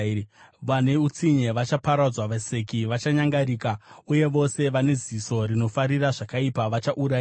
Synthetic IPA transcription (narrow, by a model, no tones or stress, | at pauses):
ʋane̞ut͡siɲe̞ʋat͡ʃapaɾad͡zwaʋesekiʋat͡ʃaɲaŋɡaɾiːkauje̞ʋo̞se̞ʋane̞ziso̞rino̞faɾiraʐakaipaʋat͡ʃaʔuɾai